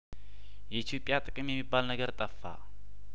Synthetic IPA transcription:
jɛit̪ʰjo̞pʼjat̪ʼɨkʼɨmjɛmːibːalnəɡəɾt̪ʼəfːa̰

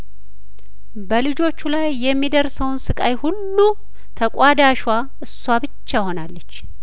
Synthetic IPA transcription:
bəlɨd͡ʒo̞t͡ʃːulajːɛmːid̪əɾsəwnsɨkʼajhulːu | t̪ʰəkʼad̪aʃwa | ʔɨsːwabɨt͡ʃːaho̞nalːət͡ʃː

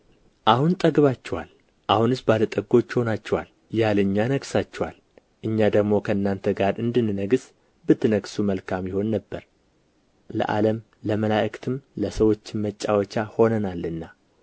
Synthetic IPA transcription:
ʔahunt̪ʼəɡβat͡ʃːɛwal | ʔahunɨsbalət̪ʼəɡo̞t͡ʃːɪho̞nat͡ʃːɛwal | jalɨɲːanəɡsat͡ʃːɛwal | ʔɨɲːad̪əɡmo̞kʰəɨnːant̪ʰəɡaɾʔɨnd̪ɨnːɨnəɡɨs | bɨt̪ʰːɨnəɡsuməlkʰamjɪho̞nːəbːəɾ | lə̰ʔa̰ləm | ləməlaʔkt̪ʰɨmləsəwo̞t͡ʃːɪnmət͡ʃʼːawət͡ʃːaho̞nənalɨnːa

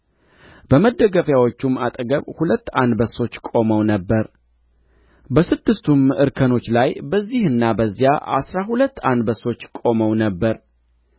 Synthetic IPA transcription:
bəməd̪ːəɡəfjawot͡ʃːumat̪ʼɡəβhulət̪ːand̪bəso̞t͡ʃːkʼo̞məwnəbːəɾ | bəsɨd̪ːɨst̪ʰumɨɾkʰəno̞t͡ʃːlajbəzːihɨnːabəzːijaʔa̰sɾaɦulət̪ːand̪bəso̞t͡ʃːkʼo̞məwnəbːəɾ

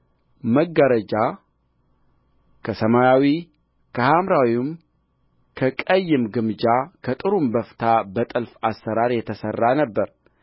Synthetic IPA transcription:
məɡːəɾəd͡ʒa | kʰəsəmajawi | kʰəhamɾawim | kʰəkʼəjːɨmɡɨmɨd͡ʒakʰət̪ʼɨɾumbəft̪ʰabət̪ʼɨlfasːəɾaɾjɛt̪ʰəsərːanəbːəɾ

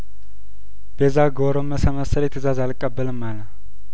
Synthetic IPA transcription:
b̥ezaɡoɾomːəsəməsəljɛt̪ʰəzazalkʼːəbːəlɨmːalə

